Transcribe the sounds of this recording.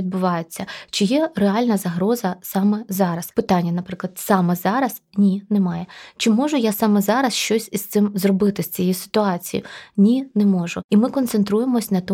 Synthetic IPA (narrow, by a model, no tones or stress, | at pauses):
id̪̚bʊʋɑjʊt͡sʲːɐt͡ʃɪjɛreɑlʲnɐzɐɦɾɔzɐsɑmɛzɑɾɐspɪt̪ɑnʲːɐnɐpɾɪklˠɐd̪̥sɑmɛzɑɾɐsnʲinɛmɑjɛt͡ʃɪmɔʐʊjasɑmɛzɑɾɐsʃt͡ʃɔsʲist̪sɪmzrɔbɪt̪ɪsʲt͡sʲijisɪ̥t̪ʊɑt͡sʲijḭnʲinɛmɔʒʊimɪkɔnt̪sent̪ɾujemɔsʲnɐt̪ɔ